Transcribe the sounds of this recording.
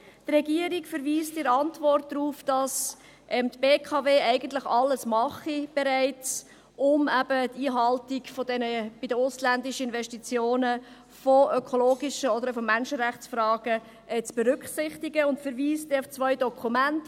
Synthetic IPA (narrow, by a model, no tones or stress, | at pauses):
trɛɡiːəɾikfəɾʋiːstɪɾɑntvɔrt̚dɾuːfd̥ɑs | ʔɛmt̪b̥eːkʰɑːveːæɪɡənt̪ləχɑlːəsmɑχib̥ɛɾæɪt͡s | ʊmæb̥ətiːɦɑltiɡfɔdɛnəb̥ɪdəʊslændɪʃəɪnvɛʃtit͡sjoːnə | fɔøkʰoloːɡɪʃəɔdəɾfɔmænʃəɾæχt͡sfɾɑːɡ̥ə | ɛt͡sb̥ɛɾʏkχsɪχtiɡəʊntfəɾviːstɛʊft͡svœʏjdɔkʰumænt